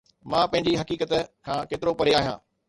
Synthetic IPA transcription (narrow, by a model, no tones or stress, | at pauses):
mãːpɐ̃ɦɪ̃ɲ̆d͡ʑiɦɐkiːkət̪kʰãːkeːt̪ɪɾopɐɾeaːɦijã̰ː